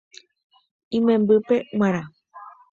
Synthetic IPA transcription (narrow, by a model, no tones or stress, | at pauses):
ĩmẽmbɨpe̞ŋʷaɾ̃ã